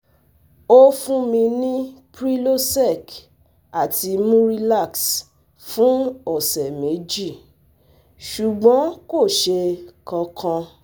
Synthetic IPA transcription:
o˦fũ˦mĩ˧nĩ˦pɾi˦lo˦sɛ˦˨k | a˨tʰi˧mũ˦ɾi˧la˦˨ks | fũ˦ɔ˦˨sɛ˨me˨˦d͡ʒi˦˨ | ʃu˨ɡ͡bɔ̃˨˦ko˦˨ʃe˧kɔ̃˧kʰɔ̃˧

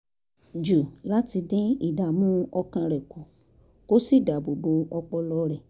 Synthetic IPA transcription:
d͡ʒu˨la˦ti˧dĩ˦i˦˨da˨mũ˦ɔ˧kã˧ɾɛ˨ko˨ | ko˦si˦˨da˨bo˨bo˧ɔ˧k͡pɔ˧lɔ˧ɾɛ˨

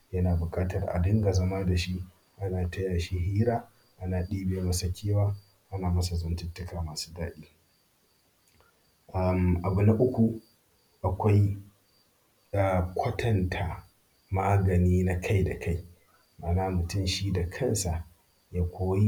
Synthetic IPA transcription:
jɐ˦naː˨bʊ˨kʼaː˦tɐ˨rʔa̰˨dɪ˦ŋɡa˨zɐ˦ma˦da˨ʃi˦ | ʔa˦naː˨tɐ˦jaː˨ʃi˦ɦiː˦ɾaː˦ | ʔa˦naː˨ɗiː˦beː˨˦mɐ˦sɐ˦kʲʰeː˦waː˦ | ʔa˦naː˨mɐ˦sa˨zɐ˦ntʊ˦tːʊ˦kaː˨maː˨su̥ː˦daː˦ɗiː˦ | ʔa˨mʔa˨bʊ˨na˦ʔʊ˦kʷu˨ | ʔa˨kʷa˦j | aː˨kʷʰɐ˦tʰɐ˨ntʰa˨ | maː˦ɡɐ˨niː˦na˦kʰa˦jda˨kʰa˦j | maː˨naː˦mʊ˨tʊ˦mʃiː˦da˨kʰɐ˦nsa˨ | jaː˦kʷoː˦ji˦

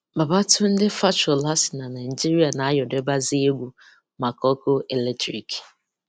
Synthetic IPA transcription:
ba˨ba˦tʊ˦n̩˦dɪ˦fa˦t͡ʃɔ˨la˦sɪ̥˨na˨na˨ɪ˨d͡ʒi˦ɾi˦a˨na˨a˦jɔ˨de˦ba˦zi˦e˦ɡʷu˨ | ma˨kɔ˦kʊ˦ʔe˨le˦tɾi˨k

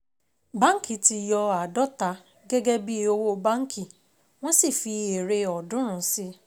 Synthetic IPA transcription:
bã˦ŋ̩˦ki˨ti˧jɔ˧a˨dɔ˦ta˧˦ | ɡɛ˦ɡɛ˦bi˦o˧wo˦bã˦ŋ̩˦kʰi˦˨ | w̃ɔ̃˦si˦˨fi˧e˨ɾe˧ɔ˨dũ˨˦ɾ̃ũ˨˦si˦

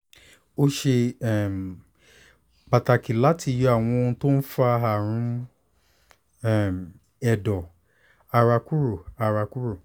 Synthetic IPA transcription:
o˦ʃe˧ɛ˦˨m˨ | k͡pa˨ta˧ki˨la˨˦tʰi˧jɔ˧a˦˨w̃ɔ̃˧õ˧˦to˦n̩˦fa˦ɦa˦˨ɾ̃ũ˨˦ | ɛ˦˨m | ɛ˨dɔ˨ | a˧ɾa˧ku˦ɾu˦˨a˧ɾa˧ku˦ɾu˦˨

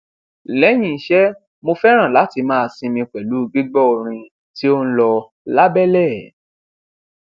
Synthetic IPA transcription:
lɛ˨˦j̃ĩ˦˨i˨˦ʃɛ˦ | mo˧fɛ˦ɾ̃ã˦˨la˨˦ti˧mãː˦˧˨sĩ˧mĩ˧k͡pɛ˨lu˨˦˧ɡ͡bi˦ɡ͡bɔ˦o˧ɾ̃ĩ˧ | ti˦o˦ñ̩˦lɔ˧ | la˦bɛ˦˨lɛ˦˨

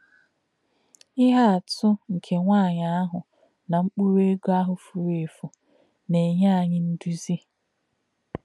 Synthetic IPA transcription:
ɪ˦ɦa˦a˨tʊ˦ŋ̩˨kʰe˨ŋʷa˦˨ɲa˨a˦ɦʊ˨ | na˨ŋ͡m̩˦k͡pu˦ɾe˦ɡo˦a˦ɦʊ˨fu˨ɾe˨fʊ˨ | ne˨ɲa˦a˨ɲɪ˦n̩˦du˦zi˦

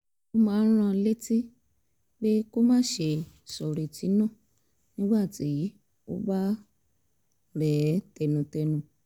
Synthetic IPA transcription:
ko˦mãː˨˦ɾ̃ã˧le˦ti˦ | ɡ͡be˦ko˦mãː˦ʃe˧˨ | sɔ˨ɾi˨ti˨˦nũ˦˨ | nĩ˦ɡ͡ba˦˨ti˨˦ | o̰˦ba˦ | ɾɛ˨˦tɛ˧nũ˨˧tɛ˧nũ˧

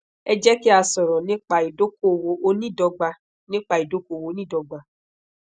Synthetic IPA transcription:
ɛ˧d͡ʒɛ˦ki˦a˧sɔ˨ɾɔ̃˨nĩ˦k͡pa˧i˨do˦ko˦˨wo˧o˦nĩ˦˨dɔ˧ɡ͡ba˧ | nĩ˦k͡pa˧i˨do˦ko˦˨wo˨˦nĩ˦dɔ˧ɡ͡ba˧

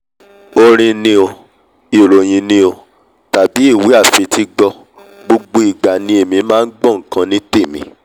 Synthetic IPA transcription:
o˧ɾ̃ĩ˧nĩ˧o˧ | i˨o˨lo˨j̃ĩ˧nĩ˦o˧ | ta˨bi˨˦i˦˨wi˨˦a˦˨fe˨˧tʰi˦ɡ͡bɔ˧ | ɡ͡bo˧ɡ͡bo˧i˨ɡ͡ba˨nĩ˧e˦˨mĩ˧˦mãː˦˧n̩˦ɡ͡bɔ̃˦˨ŋ̩˨kã˧nĩ˦te˦˨mḭ̃˨˦

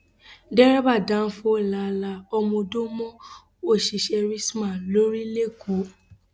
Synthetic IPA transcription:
dɛ˦ɾɛ˦ba˦˨dã˦n̩˦fuo˦˨la˨la˧˦ɔ˧mɔ̃˧do˦mɔ̃˦ | o˦˨ʃi˧˨ʃɛ˧ɾi˦smã˦˨lo˨˦ɾi˦le˦˨ku˨˦

